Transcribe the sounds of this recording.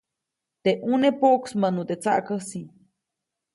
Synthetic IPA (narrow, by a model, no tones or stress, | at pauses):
t̪eʔunepoʔksmənut̪et͡sa̰ʔkəsi